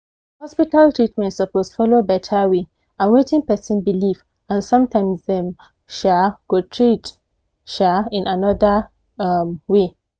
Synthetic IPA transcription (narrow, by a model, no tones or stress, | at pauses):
hɔspitaltɹitmɛ̃ntsəposfɔlobɛtʰawe | ãnwetĩŋpɛsĩnbiliv | ãnsɔ̃mtãɪ̃msðɛ̃m | ʃaɡ̥otʰɹit | ʃaĩnanɔða | mwe